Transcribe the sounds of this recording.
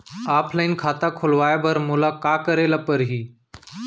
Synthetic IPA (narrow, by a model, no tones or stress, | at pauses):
aːpʰləinkʰat̪akʰolʋajabəɾmulakakəɾelapəɾɦiː